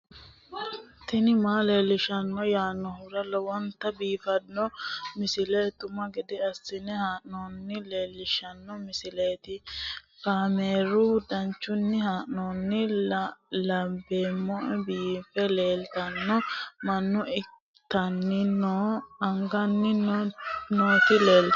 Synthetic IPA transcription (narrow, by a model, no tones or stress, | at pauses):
t̪ɪnɪmaːle̞ːlːɪʃɐnːɔjaːnːɔhʊɾɐlɔwɔnt̪ːɐbiːfɐnːɔmɪsɪlet̪ʊmɐɡɛd̪ɛɐsːɪnɛhaːʔnoːnːɪle̞ːlːɪʃɐnːɔmɪsɪleːt̪ɪkaːmeːɾʊd̪ɐnt͡ʃːʊnːɪhaːʔnoːnːɪ | lɐbeːmːɔʔɛbiːfɛleːlt̪ɐnːɔmɐnːʊɪ | t̪ːɐnːɪnoːɐŋɡɐnːɪnnoːt̪ɪleːl